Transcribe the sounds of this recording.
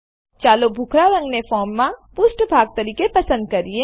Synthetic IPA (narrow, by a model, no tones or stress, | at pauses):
t͡ʃaːlobʱukʰɾaɾɐ̃ŋɡnefɔːɾmːãpʊsʈbʱaːɡ̚t̪ɐɾiːkepɐsə̃nd̪̚kɐɾie